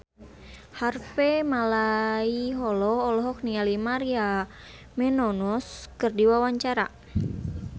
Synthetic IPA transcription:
harfɛmalaiɦɔlɔhɔlɔɦɔk̚nialimaɾia | mɛnɔnɔskɨrdiwawaɲt͡ʃaɾa

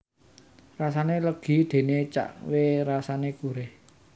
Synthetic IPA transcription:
rasaneləɡ̥i̤d̪̥e̤net͡ʃa̰ʔweɾasanekuɾeh

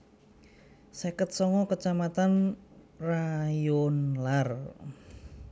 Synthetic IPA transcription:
sekət̪̚sɔŋɔkət͡ʃamat̪an | rajonlar

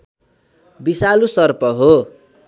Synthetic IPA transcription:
bisalusʌrpʌɦo

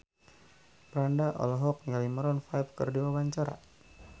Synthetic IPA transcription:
pɾandaʔɔ̰lɦɔk̚nalimaɾɔnfajbkə̰rdiwabaɲt͡ʃaɾa̰

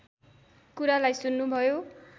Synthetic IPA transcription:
kuɾalajsunːubʱʌjo

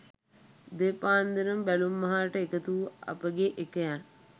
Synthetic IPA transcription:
d̪epaːnd̪inəmbælumːɐɦaːʈəekət̪uːa̰pəɡeʔekəjan

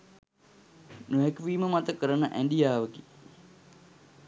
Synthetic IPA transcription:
nuɦɛkʋiːməmat̪əkəɾənəʔæɳɖijaːʋəɡe

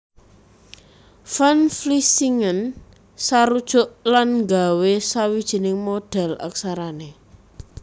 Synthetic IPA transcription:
fanflisiŋən | saɾud̥ʒ̥ɔ̤ʔlanŋɡawesawid̥ʒ̥i̤nɪŋmoɖ̥ɛ̤la̰ksaɾane

